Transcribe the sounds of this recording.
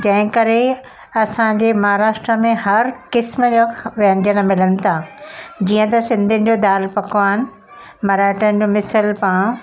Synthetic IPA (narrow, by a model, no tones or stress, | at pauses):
d͡ʑɐ̃ɦɪ̃kɐɾe | ɐsãɲd͡ʑeːmɐɦaːɾaːʃʈɾəmẽɦɐɾkɪsməd͡ʑoʋɐnd͡ʑəñmɪlənɪ̆t̪ʰad͡ʑiːə̃t̪ɐsɪ̃nd̪ʱənɪ̆d͡ʑoːd̪aːlpɐkʋaːnɪ̆ | mɐɾaːʈəñ̆d͡ʑomɪsəlpãːɽ̃